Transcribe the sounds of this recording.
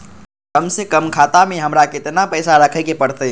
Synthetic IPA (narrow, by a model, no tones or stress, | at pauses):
kəmsekəmkʰat̪ameɦəmɾakɪt̪napəɪsaɾəkʰəkepəɽt̪ə